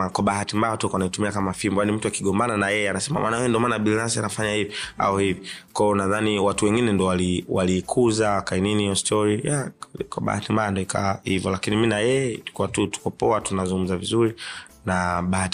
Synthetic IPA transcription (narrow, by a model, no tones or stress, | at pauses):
akwaɓaɦatimbajatɔkɔanaitumiakamafimbɔjanim̩tuakiɠɔmbananajɛɛanasɛma̰mʔa̰najɛɛndiɔmaːnaɓilnasianafaɲahivia̰ɔhivikwaɔnaðaniwatuwɛŋɡinɛndɔwaliwalikʰuzakaininiɔstʰɔɾijakwa̰ɓa̰ha̰timbajandɔika̰ahivjɔlakiniminajɛtu̥kuwatutu̥kɔpɔatunazuŋɡum̩zavizuɾinaɓahat